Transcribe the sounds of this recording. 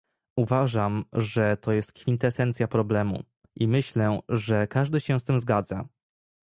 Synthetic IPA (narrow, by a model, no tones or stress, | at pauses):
uvaʐamʐɛt̪ɔjɛst̪kfʲint̪ɛsɛnt̪sʲjapɾɔblɛmṵ | ʔimɘɕlɛʐɛkaʐd̪ɘɕɛ̃st̪ɘmzɡad̪za